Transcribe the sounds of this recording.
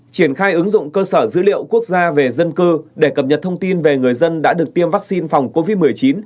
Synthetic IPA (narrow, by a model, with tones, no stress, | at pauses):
t͡ɕi˧˩ənxaː˧jʔɨ˨˦ŋzʊ̰˧˨ŋ͡mkəː˧səː˧˩zɨ̰˧˥lḭ˧˨əwku˦˥ək̚zaː˧ve˨˩zə˧nkɨ˧ɗe˧˩kə˨˩p̚ɲə˨˩t̚t̪ʰə˧wŋ͡mt̪i˧nve˨˩ŋɨ˨˩əjzə˧nɗa̰ː˧˥ɗək̚t̪i˧əmvaː˦˥k̚si˧nfa˨˩wŋ͡mko˧vi˦˥t̚mɨ˨˩əjt͡ɕi˨˦n